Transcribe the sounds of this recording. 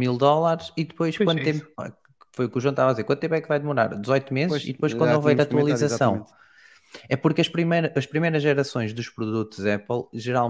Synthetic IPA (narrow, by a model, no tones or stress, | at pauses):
milˠd̪ɔlˠaɾʃiðɨpojʃkwɐ̃nd̪t̪ẽmp | fojukuʒwɐ̃t̪avaðizeɾkwɐ̃d̪t̪ẽpwɛkvajðɨmuɾa̰ɾd̪ɨzɔjt̪umezʃḭðɨpojʃkwɐ̃d̪ẽwvɐiɾat̪wɐlˠizɐzsɐ̃w̃ | ɛpuɾkɐʃpɾimejɾɐʔɐʃpɾimejɾɐʒɛɾɐsõj̃ʒðuʃpɾuðut̪uzɛplˠʒɨɾalˠ